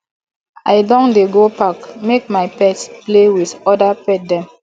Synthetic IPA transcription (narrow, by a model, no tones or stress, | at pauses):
aɪdɔ̃ndeɡopakmek̚maɪpɛtsplewiθɔdapɛt̚dɛ̃m